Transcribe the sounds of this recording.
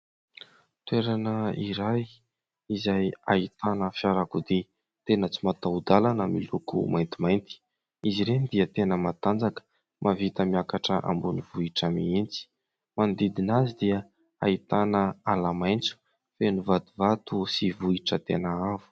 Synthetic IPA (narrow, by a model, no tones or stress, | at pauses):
t̪weɾanəiɾaj | izaja̰it̪anəfjaɾakud̪i | t̪enət͡simat̪aud̪alanəmilukṵmajnt̪imajnt̪i̥ | iziɾenid̪iət̪enəmat̪and͡zakə̥ | mʔavit̪əmiakaʈ͡ʂəʔa̰mbuniv̥uiʈ͡ʂəmiint͡si̥ | mand̪id̪inazid̪iə | ait̪anəalamajnt͡su̥ | fenuvat̪uvat̪usivuiʈ͡ʂət̪enəavu̥